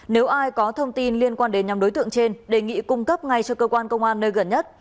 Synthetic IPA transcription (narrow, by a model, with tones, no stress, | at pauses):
ne˨˦wʔaː˧jkɔ˨˦t̪ʰə˧wŋ͡mt̪i˧nli˧ənkwaː˧nɗe˨˦nɲa˨˧mɗo˨˦jt̪ɨ˧˨əŋt͡ɕe˧nɗe˨˩ŋḭ˧˨kʊ˧ŋ͡mkə˦˥p̚ŋa˨˩jt͡ɕɔ˧kəː˧kwaː˧nkə˧wŋ͡mʔaː˧nːəː˧jɣə˧˩nɲə˦˥t̚